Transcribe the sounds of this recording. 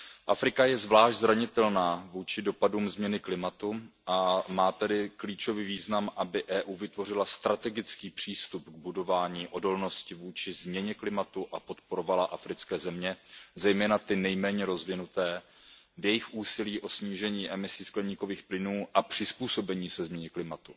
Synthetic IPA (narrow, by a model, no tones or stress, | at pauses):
ʔafɾɪkajɛzvlaːʃʒɟzɾaɲɪt̪ɛlnaːvuːt͡ʃɪdo̞paduːmzmɲɛnɪklɪmat̪uʔamaːt̪ɛdɪkliːt͡ʃo̞viːviːznamʔabɪʔɛːʔuːvɪt̪vo̞r̝ɪlast̪ɾat̪ɛɡɪt͡skiːpr̝̥iːst̪upɡ̚budo̞vaːɲiːʔo̞do̞lno̞scɪvuːt͡ʃɪzmɲɛɲɛklɪmat̪uʔapo̞t̪po̞ɾo̞valaʔafɾɪt͡skɛːzɛmɲɛzɛjmɛːnat̪ɪnɛjmɛːɲɛɾo̞zvɪnut̪ɛː | vjɛjɪxʔuːsɪliːʔo̞sɲiːʒɛɲiːʔɛmɪsɪsklɛɲiːko̞viːxplɪnuːʔapr̝̥ɪspuːso̞bɛɲiːsɛzmɲɛɲɛklɪmat̪u